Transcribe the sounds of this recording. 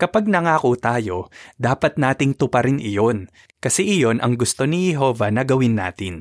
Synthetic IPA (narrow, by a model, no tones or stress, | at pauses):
kɐpɐɡ̚nɐŋaːkot̪aːjo̞d̪aːpɐt̪̚naːt̪ɪŋt̪ʊpɐɾɪnʔɪjo̞n | kɐsɛʔɪjo̞nʔɐ̰ŋɡʊst̪o̞nɪjɛɦo̞ːvɐnɐɡɐwɪnːa̰ːt̪ɪn